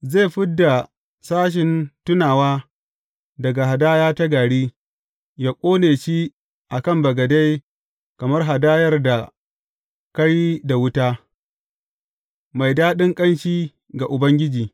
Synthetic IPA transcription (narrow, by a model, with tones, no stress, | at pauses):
ze˦˨ɸɪ˦dːa˨ | saː˦ʃ̬ɪ˨ntʊ˦naː˨waː˦ | dɐ˨ɡa˨ɦa˨daː˦jaː˦ta˦ɡaː˨ɽiː˦ | jaː˦kʷʼoː˦neː˨ʃi˦ | ʔa˨kɐ˦˨mbɐ˨ɡɐ˨da˦j | kɐ˨mɐ˦rɦa˨daː˦jɐ˦rda˨ | kɐ˦ɽiː˦da˨wʊ˦taː˦ | ma˨jdaː˦ɗɪ˦ŋkʼɐ˦nʃiː˦ | ɡa˨ʔʊ˨bɐ˦ŋɡʲɪ˦d͡ʒiː˨